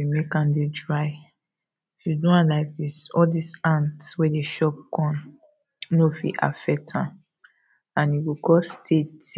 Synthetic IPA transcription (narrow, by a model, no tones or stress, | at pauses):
imekãndedɹaɪ | fudõãnlaɪk̚disɔdisãntwedeʃɔp̚kʰɔ̃n | nofḭʔa̰fɛk̚tʰãn | ãniwikɔstʰet